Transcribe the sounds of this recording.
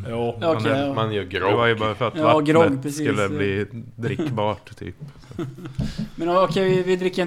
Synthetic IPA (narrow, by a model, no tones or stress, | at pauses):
jɑːamanjœːɡɾɔvajəbɑːɾafœɾat̪ːvaɡɾɔɡt̪ːʰɾɛsskɵlːəbliːd̪ɾɪkːbɑːʈt̪ʰy̰ːps | mɛnɔɔkʰɛɪvɪd̪ɾɪkːə